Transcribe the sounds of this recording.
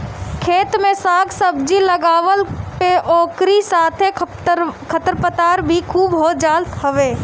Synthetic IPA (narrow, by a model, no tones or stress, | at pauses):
kʰeːt̪mẽsaːɡsəbd͡ʒiləɡaːʋəlpeʔɔːkɾisaːt̪ʰe | kʰət̪əɾpət̪aːɾbʱikʰuːbɦoːd͡ʒaːlt̪ɦəʋeː